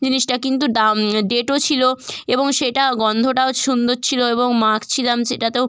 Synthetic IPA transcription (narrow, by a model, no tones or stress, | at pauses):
d͡ʑiniʃʈakint̪̬udamɖeʈot͡ɕʰiloeboŋʃeʈaɡɔnd̪ʱoʈaoʃund̪oɾt͡ɕʰiloeboŋmakʰt͡ɕʰilamʃeʈat̪ew